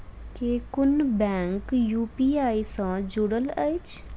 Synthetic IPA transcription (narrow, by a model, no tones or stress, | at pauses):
keːkʊnbɛ̃ːŋkjuːpiːaːisãd͡ʒʊɽələit͡ʃʰ